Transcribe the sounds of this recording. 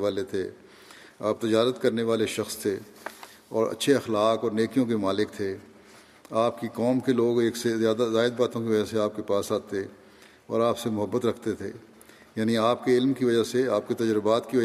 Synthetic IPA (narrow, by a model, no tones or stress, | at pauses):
aːlet̪ʰe | a̰ːp̚t̪ɪd͡ʒaːɾət̪kɐɾneʋaːleʃɐxst̪ʰe | ɔːɾɐ̰tːʃʰeɐxlaːkɔːɾneːkijõkemaːlɪk̚t̪ʰe | aːpkikɔːmkeloːɡeːksezjaːd̪azaːɪd̪̚baːt̪õkiʋɐd͡ʒaseaːp̚kepaːsaːt̪e | ɔ̰ːɾaːpsemʊɦəbːət̪ɾɐkʰt̪et̪ʰeː | jaːniaːp̚keɪlmkiʋɐd͡ʒaɦseaːp̚ket̪ɐd͡ʒɾɪbaːt̪kiʋɐ